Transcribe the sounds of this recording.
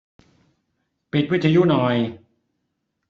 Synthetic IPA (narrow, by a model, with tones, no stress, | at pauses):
pi˨˩t̪̚wi˦˥t̪̚ʰːa˧ju˦˥˨nɔ˨˩j